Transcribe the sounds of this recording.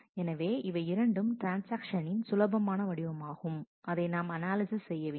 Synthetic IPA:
ɛnɐʋeːʔɪʋɐɪɪɾɐɳɖɯmʈɾaːnsaːkʂɐnɪnsʊlɐbɐmaːnɐʋɐɽɪʋɐmaːɣɯm | ɐðɐɪnaːmɐnaːlɪsɪssɛjːɐʋeː

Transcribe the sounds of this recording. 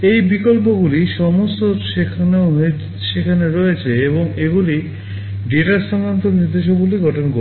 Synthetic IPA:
ejbikolp̬oɡuliʃɔmost̪oʃekʰanɦe | ʃekʰaneɾɔet͡ɕʰeeboŋeɡuli | ɖiʈaɾʃɔŋkɾant̪oniɾd̪eʃ̬oɡuliɡɔʈʰonko

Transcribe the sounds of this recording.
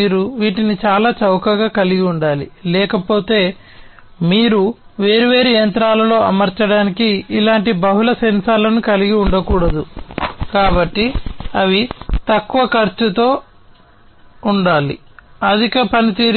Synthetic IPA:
iːɾuʋiːʈinit͡ʃaːlaːt͡ʃɐwkɐɡaːkɐliɡiuɳɖaːlilɛːkɐpo̞ːt̪e̞ː | miːɾuʋe̞ːɾiʋe̞ːɾijɐnt̪ɾaːlɐlo̞ːɐmɐɾt͡ʃɐɽaːnikiːlaːɳʈibɐɦulɐsɐnsaːlɐnukɐliɡiuɳɖɐkuːɽɐd̪ukaːbɐʈːiɐʋit̪ɐkːuʋɐkɐɾt͡ʃut̪o̞ː | uɳɖaːlḭ | ɐd̪ʱikɐpɐnit̪iːɾ

